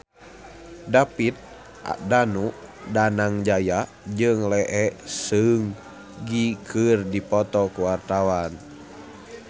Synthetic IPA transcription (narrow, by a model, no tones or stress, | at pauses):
dapit̪̚ | a̰danudanaŋd͡ʒaja | d͡ʒɨŋlɛʔɛsɨŋ | ɡikʰɨrdipɔt̪ɔkuwart̪awan